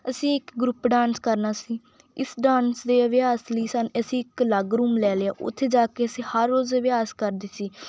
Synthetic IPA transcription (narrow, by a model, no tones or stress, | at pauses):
əsĩːɪkɡɾʊpɖãːnskəɾnaːsiː | ɪsɖãːnsd̪eːəʋjaːsləiːsənəsĩːɪkləɡɾuːmlɛːleːa̰ːʔʊ̰t̪ʰːeːd͡ʒaːkeːəsĩːhəɾːoːzəʋɪjaːskəɾd̪eːsiː